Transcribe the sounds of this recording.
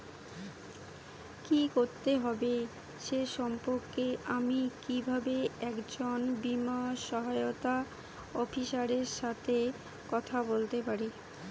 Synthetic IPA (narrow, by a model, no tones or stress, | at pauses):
kikoɾt̪eɦɔbe | ʃeʃɔmpoɾkeamikibʱabeɛkd͡ʑonbimaʃɔɦaeot̪a | ɔfiʃaɾeɾʃat̪ʰe | kɔt̪ʰabolt̪epaɾi